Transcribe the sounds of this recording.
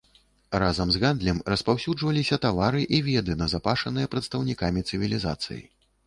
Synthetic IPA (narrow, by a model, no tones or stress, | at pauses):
razɐmzɣand̪lʲɛmrɐspawsʲud͡ʐvɐlʲisʲɐt̪avaɾɨʔivʲɛd̪ɨnɐzapaʂɐnɨjɐpɾɐt̪st̪ɐwnʲikamʲit̪sɨvʲilʲiza̰t̪sɨ̰jḭ